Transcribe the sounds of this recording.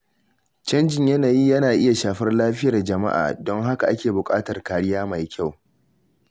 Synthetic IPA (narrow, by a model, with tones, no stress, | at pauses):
t͡ʃɐ˦nd͡ʒɪ˨ɲjɐ˦naː˨ji˦jɐ˦naː˨ʔɪ˦ja˨ʃaː˨ɸɐ˦rlaː˦ɸɪ˦jɐ˨rd͡ʒɐ˨ma̰˦ʔa̰ː˨dɔ˦ŋɦa˦ka˨ʔa˦kʲeː˨bʊ˨kʼaː˦tɐ˨rkaː˨ɽɪ˦jaː˦ma˨jkʲʰa˦˨w